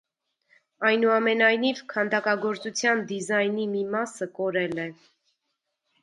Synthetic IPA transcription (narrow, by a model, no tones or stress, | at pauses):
ɑjnuɑmɛnɑjnivkʰɑnd̪ɑkɑɡɔɾt͡sut͡sʰjɑnd̪izɑjnimimɑsəkɔɾɛlɛ